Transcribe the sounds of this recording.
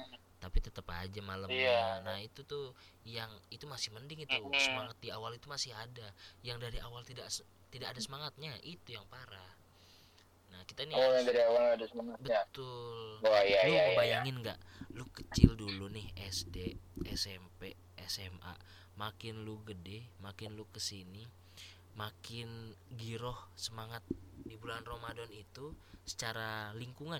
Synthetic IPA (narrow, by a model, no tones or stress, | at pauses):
t̪apit̪ət̪əpad͡ʒamalaanahit̪ut̪ʊjaŋit̪umasɪhməndɪŋit̪usəmaŋat̪̚diawalit̪umasɪhadajaŋdaɾiʔawalt̪idaʔs | t̪idakadasəmaŋat̪̚ɲaʔit̪ujaŋpaɾah | nahkit̪aniljadaɾiawalɲaadasəmaŋabəat̪ʊlajaluaəbajaŋɪnɡa̰ʔlukət͡ʃɪldulunɪhɛsdeɛsɛmpe | ɛsɛma̰ | makɪnluɡədɛhmakɪnlukəsini | makɪnɡiɾɔhsəmaŋat̪̚dibulanromadɔnit̪usə̥t͡ʃaɾaliŋkuŋan